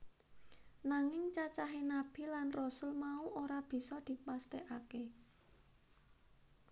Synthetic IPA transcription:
naŋɪŋt͡ʃat͡ʃaɦenab̥i̤lanrɔsʊlmauʔoɾab̥i̤sɔd̪̥i̤past̪eʔake

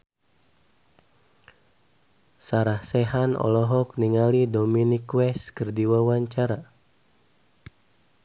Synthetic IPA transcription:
saɾahsɛɦanɔ̰lɔɦɔk̚niŋalidominikwɛskərdiwawaɲt͡ʃaɾa

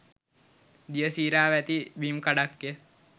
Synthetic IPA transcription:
d̪ijəsiːɾaːʋæt̪ibimkaɽakːjə

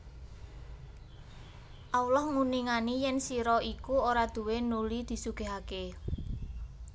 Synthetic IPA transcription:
ʔaulɔhmuniŋanijɛnsiɾɔikuoɾad̪̥ṳwenulid̪̥i̤suɡ̥e̤ɦake

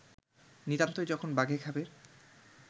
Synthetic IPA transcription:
niɾant̪oed͡ʑɔkʰonbaɡʱekʰabe

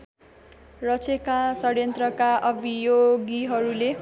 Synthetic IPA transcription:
rʌt͡sʰekasʌɾjʌnt̪rʌkaʔʌbʱijoɡiɦʌɾule

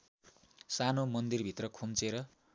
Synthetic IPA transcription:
sanomʌnd̪irbʱit̪rʌkʰumt͡seɾʌ

